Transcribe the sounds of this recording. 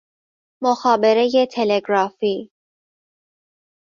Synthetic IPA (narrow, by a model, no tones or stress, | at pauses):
moxɑːbeɾejet̪ʰeleɡɾɑfi